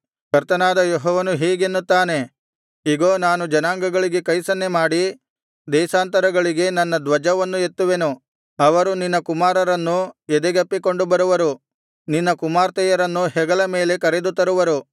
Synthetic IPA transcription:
kɐɾt̪ɐnaːd̪ɐjoɦɔːʋɐnuɦiːɡenːut̪ːaːne̞ | iɡoːnaːnud͡ʒɐnaːŋɡɐɡɐɭiɡe̞kɐjsɐnːemaːɽi | d̪ɛːsaːnt̪ɐɾɐɡɐɭiɡe̞nɐnːɐd̪ʋɐd͡ʒɐʋɐnːue̞t̪ːuʋe̞nu | ɐʋɐɾuninːɐkumaːɾɐɾɐnːuɛd̪eɡɐpːiko̞ɳɖubɐɾuʋɐɾu | ninːɐkumaːɾt̪ɛjɐɾɐnːuɦɛɡɐlɐme̞ːle̞kɐɾed̪ut̪ɐɾuʋɐɾu

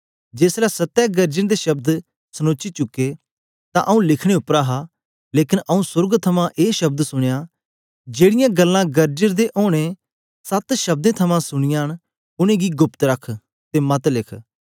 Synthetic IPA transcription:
d͡ʒeːslaːsət̪ːɛːɡəɾd͡ʒənd̪eːʃɐb̚d̪ | sənoːt͡ʃit͡ʃʊkːeː | t̪ã̰ːʔəũlɪkʰɽ̃eːʊpɾaːɦaː | leːkɪnʔəũːsʊɾɡt̪ʰɐmãʔeːʃɐb̚d̪sʊɽ̃ejaː | d͡ʒeːɽɪjãɡəlːãɡəɾd͡ʒəɾd̪eʔoːɽ̃e | sɐt̪ʃɐb̚d̪ẽːt̪ʰɐmãːsʊɽ̃ɪjaːñ | ʊñẽːɡiːɡʊpt̪ɾəkʰ | t̪emɐt̪lɪkʰ

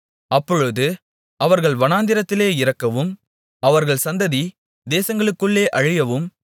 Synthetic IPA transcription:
ɐpːɔɻɯðɯ | ʔɐʋɐɾɣɐɭʋɐnaːnd̪ɪɾɐt̪ːɪleːɪɾɐkːɐʋɯm | ɐʋɐɾɣɐɭsɐnd̪ɐði | d̪eːsɐŋɡɐɭɯkːɯɭːeːʔɐɻɪjɐʋɯm

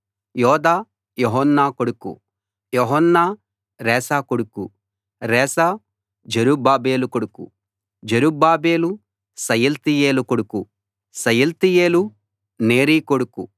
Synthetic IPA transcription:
jɔːd̪aː | joɦɐnːaːkoɽukṵ | joɦɐnːaː | ɾɛːsaːkoɽuku | ɾɛːsa | d͡ʒeɾubaːbe̞ːlukoɽukṵ | d͡ʒeɾubaːbe̞ːlu | sɐjɐlt̪ije̞ːlukoɽuku | sɐjɐlt̪ije̞ːlu | neːɾiːkoɽuku

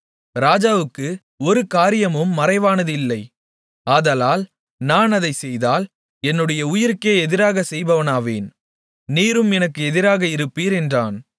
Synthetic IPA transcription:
ɾaːd͡ʒaːʋɯkːɯ | ɔɾɯkaːɾɪjɐmɯmːɐɾɐɪʋaːnɐðɯɪlːɐɪ | aːðɐlaːl | naːnɐðɐɪsɛjðaːl | ɛnːɯɽɐjɐʊjɪɾkeːɛðɪɾaːɣɐsɛjbɐʋɐnaːʋḛːn | niːɾɯmɛnɐkːɯɛðɪɾaːɣɐɪɾɯpːiːɾɛndraːn

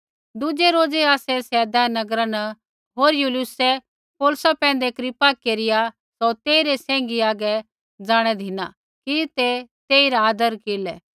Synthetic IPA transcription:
d̪ʊd͡ʒɛɾoːd͡zeaːsɛsɛːd̪anɐɡɾanɐ | ɦoːɾjulɪʊsɛ | poːlsapɛ̃ːn̆d̪ekɾɪpakeːɾɪja | sɔt̪eːiɾesɛ̃ːŋɡiaːɡɛ | d͡zaːɽ̃ɛd̪ʱɪna̰ | kit̪et̪eːiɾaaːd̪əɾkeːlɛː

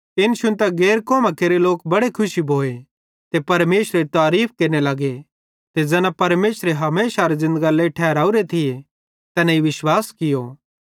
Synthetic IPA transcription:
ɪnʃʊnt̪ɐɡɛːɾkɔːmãkeːɾeloːkbɐɽekʰʊʃibʱoːe | t̪epɐɾmeːsɾeɾit̪aːɾiːpʰkeːɾnelɐɡe | t̪ed͡zɛːnãpɐɾmeːsɾeɦɐmeːsaɾezɪ̃nd̪əɡaleːʈʰɛːɾaːuɾet̪ʰɪje | t̪ɛːnãiʋɪʃwaːskɪjoː

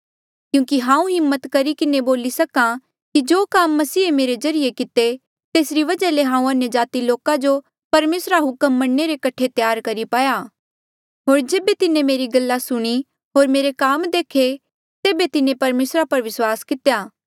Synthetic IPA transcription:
kjũːkiɦãːũɦɪmːət̪kɐɾikɪneboːlisɐkã | kid͡ʒoːkaːmːɐsiːemeːɾezɐɾɪjekɪt̪e | t̪eːsɾiʋɐd͡ʒaleɦãːũɐnjəd͡ʒaːt̪iloːkãd͡ʒo | pɐɾmeːsɾaɦʊkəmːɐɽːeɾekɐʈʰet̪jaːɾkɐɾipaːja | ɦoːɾd͡ʒeːbet̪ɪnẽmeːɾiɡɐlːasʊɽ̃i | ɦoːɾmeːɾekaːmd̪eːkʰe | t̪eːbet̪ɪnẽpɐɾmeːsɾapɐɾʋɪswaːskɪt̪ejaː

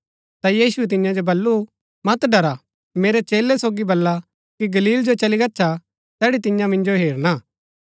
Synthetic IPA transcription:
t̪ajiːsuɛt̪̬ɪ̃jãd͡ʒobɐlːu | mɐt̪ɖɐɾa | meːɾet͡ʃeːlɛsoːɡibɐlːa | kiɡɐliːld͡ʒot͡ʃɐliɡɐːʃʰa | t̪ɛːɽit̪ɪ̃jãmɪ̃nd͡ʒoɦeːɾnaː

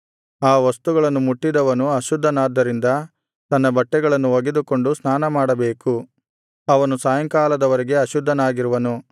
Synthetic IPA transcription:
aːʋɐst̪uɡɐɭɐnːumuʈːid̪ɐʋɐnuɐʃud̪ʱːɐnaːd̪ːɐɾind̪ɐ | t̪ɐnːɐbɐʈːɛɡɐɭɐnːuoɡed̪uko̞ɳɖusnaːnɐmaːɽɐbe̞ːku | ɐʋɐnusaːjɐŋkaːlɐd̪ɐʋɐɾɛɡe̞ɐʃud̪ʱːɐnaːɡiɾuʋɐnu

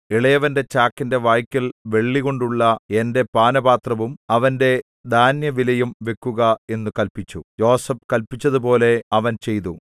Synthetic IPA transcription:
iɭɐjɐʋɐnde̞t͡ɕaːkːinde̞ʋaːjkʲːilʋe̞ɭːiɣo̞ɳɖuɭːɐende̞paːnɐbaːt̪rɐʋumɐʋɐnde̞ | d̪ʱaːnjɐʋilɐjumʋe̞kːuɣɐe̞nːukɐlpit͡ɕːujo̞ːsɐp̚kɐlpit͡ɕːɐðupo̞ːle̞ɐʋɐnt͡ɕe̞jt̪u

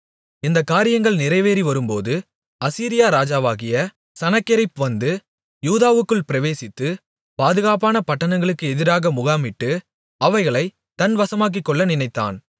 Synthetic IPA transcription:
ɪnd̪ɐkːaːɾɪjɐŋɡɐɭnɪɾɐɪʋeːɾiʋɐɾɯmpoːðɯ | ɐsiːɾɪjaːɾaːd͡ʒaːʋaːɣɪjɐ | sɐnɐkːɪɾɐɪpɯʋɐnd̪ɯ | juːðaːʋɯkːɯɭpɪɾɐʋeːsɪt̪ːɯ | paːðɯɣaːp̬aːnɐpɐʈːɐnɐŋɡɐɭɯkːɯɛðɪɾaːɣɐmʊɣaːmɪʈːɯ | ɐʋɐɪɣɐɭɐɪ | t̪ɐnʋɐsɐmaːk̬ːikːɔɭːɐnɪnɐɪt̪ːa̰ːn

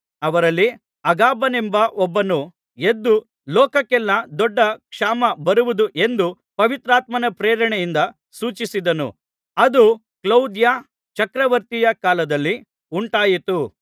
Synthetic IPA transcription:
ɐʋɐɾɐlːi | ɐɡaːbɐnembɐʔɔbːɐnu | e̞d̪ːu | lɔːkɐkɛlːɐd̪ɔɖːɐkʂaːmɐbɐɾuʋud̪uʔe̞nd̪u | pɐʋit̪ɾaːt̪mɐnɐpɾeːɾɐɳɛjind̪ɐ | suːt͡ʃisid̪ɐnṵ | ɐd̪u | klɐwd̪ja | t͡ʃɐkɾɐʋɐɾt̪ijɐkaːlɐd̪ɐlːi | uɳʈaːjit̪u

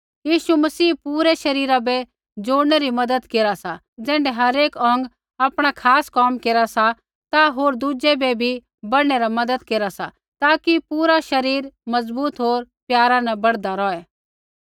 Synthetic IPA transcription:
jiːʃumɐsiːpuːɾɛʃɐɾiːɾabɛ | d͡ʒoːɽneɾimɐd̪əd̪keːɾasa | d͡zɛ̃ːɳɖɛɦɐɾeːkɔ̃ːŋɡ | aːpɽ̃akʰaːskɔːmkeːɾasa | t̪aɦoːɾd̪uːd͡ʒɛbɛbʱi | bɐɽɽ̃eɾamɐd̪əd̪keːɾasa | t̪aːkipuːɾaʃɐɾiːɾmɐzbuːt̪ɦoːɾpjaːɾãnɛbɐɽd̪aɾɔːɛ

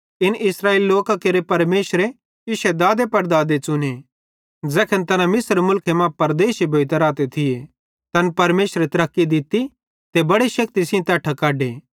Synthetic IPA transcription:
ɪnɪsɾaːeːliloːkakeɾepɐɾmeːʃɾe | ɪʃɛd̪aːd̪epɐɾd̪aːd̪et͡ʃʊne | d͡zɛːkʰənt̪ɐnãmɪsɾmʊlkʰemãpɐɾd̪eːʃibʱoːit̪ɐɾaːt̪et̪ʰɪje | t̪ɐnpɐɾmeːʃɾet̪ɐɾɐkːid̪ɪt̪i | t̪ebɐɽiʃɐk̚t̪isɪ̃õt̪ɛːʈʰɐkaːɖeː

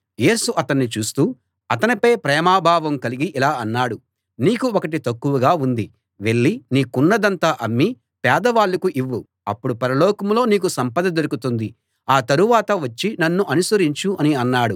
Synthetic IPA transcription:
jeːsuʔɐt̪ɐnːit͡ʃuːst̪uː | ɐt̪ɐnipɐjpɾɛːmaːbʱaːʋɐmkɐliɡiʔilaːɐnːaːɽu | niːkuɔkɐʈ̬it̪ɐkːuʋuɡaːund̪i | ʋe̞ɭːiniːkunːɐd̪ɐnt̪aːʔɐmːi | pɛːd̪ɐʋaːɭːukuʔiʋːu | ɐpːuɽupɐɾɐlɔːkɐmlo̞ːniːk̬usɐmpɐd̪ɐd̪oɾukut̪und̪i | aːt̪ɐɾuʋaːt̪ɐʋɐt͡ʃːinɐnːuʔɐnusɐɾiɲt͡ʃuɐniɐnːaːɽu

